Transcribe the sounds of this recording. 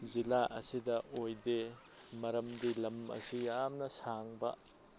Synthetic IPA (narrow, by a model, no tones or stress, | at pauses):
zilaʔɐsidɐʔojde | mɐɾɐmdilɐmɐ̰sijamnɐsaŋbɐ̰